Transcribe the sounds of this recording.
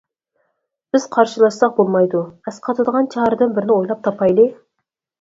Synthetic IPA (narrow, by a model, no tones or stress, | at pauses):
b̥ɪz̥qʰɑɾʃəlˠɑsːɑq̚bolˠmɑjd̪ʊæsqʰɑt̪ʰɑd̪ʁɑnt͡ʃʰɑɑɾd̪ənbɪɾɪnɪwo̞jlˠɑp̚t̪ʰɑpɑjle